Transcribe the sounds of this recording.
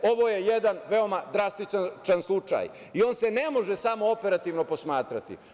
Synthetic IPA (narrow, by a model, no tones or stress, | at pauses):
o̞ʋo̞je̞jed̪anʋe̞o̞mad̪ɾast̪it͡ʃat͡ʃanslˠut͡ʃa̰ːj | io̞ːnse̞ne̞moʒesamo̞ope̞ɾat̪iʋno̞po̞smaːt̪ɾat̪ḭ